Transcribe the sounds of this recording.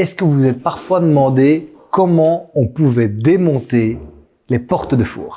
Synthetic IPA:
ɛskəvuzɛt̪̚paʁfwad̪əmɑ̃d̪ekɔmɑ̃ɔ̃puvɛd̪emɔ̃t̪e | lepɔʁt̪əd̪əfṵːʁ

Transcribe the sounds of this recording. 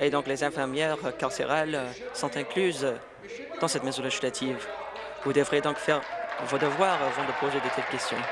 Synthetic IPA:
ed̪ɔ̃klezɛ̃fɛʁmjɛʁkaʁseʁalsɔ̃t̪ɛ̃klyz | d̪̥ɑ̃sɛt̪mɛzɔ̃leʒislat̪ʰiv | vud̪əvʁjed̪ɔ̃kfɛʁvod̪əvwaʁavɑ̃d̪əpozed̪et̪ad̪ə̥kʲɛst̪jɔ̰̃

